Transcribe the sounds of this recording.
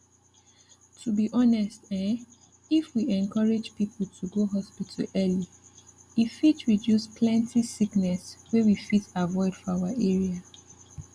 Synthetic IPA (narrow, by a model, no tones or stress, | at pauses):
tʰubiʔɔnɛstɛ̃n | ifwiɛ̃nkʰɔɹed͡ʒpipʰl̩tʰuɡoɦɔspitʰəlɛli | ifitɹidjuspʰlɛ̃ntʰisiknɛswewifitavɔɪd̥fɔawaʔɛɹia